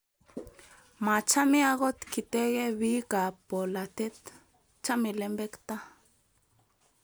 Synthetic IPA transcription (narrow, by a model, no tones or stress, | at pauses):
mat͡ʃamiaɣot̪kit̪eɣeβiːkapolat̪et̪ | t͡ʃamilembekt̪a